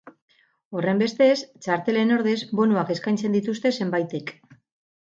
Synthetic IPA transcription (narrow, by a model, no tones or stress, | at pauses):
o̞re̞mbe̞st̪e̞st͡ʃaɾt̪e̞le̞no̞ɾðe̞zbo̞nuake̞skajnt͡se̞nd̪it̪ust̪e̞se̞mbajt̪ek